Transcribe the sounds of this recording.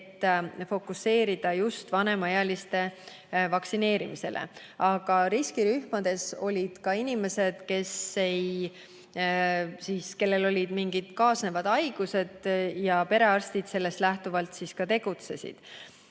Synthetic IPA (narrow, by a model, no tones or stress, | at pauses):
t̪ːˑfo̞kusːe̞ːɾid̪̥ɑjust̪vɑne̞mɑejɑlist̪e̞ | vɑksine̞ːɾimise̞̰lʔḛ | ɑɡ̥ɑɾiskiɾyhmɑd̪̥e̞so̞̰lʲid̪̥kɑinime̞se̞d̪̥ke̞se̞j | siːske̞lːe̞lo̞lʲid̪̥miŋɡ̥id̪̥kɑːsne̞vɑd̪̥ɑjɡ̥use̞d̪̥jɑpe̞ɾe̞ɑrst̪id̪̥se̞lːe̞st̪læht̪uvɑlt̪siskɑt̪e̞ɡ̥ut̪se̞sḭd̪̥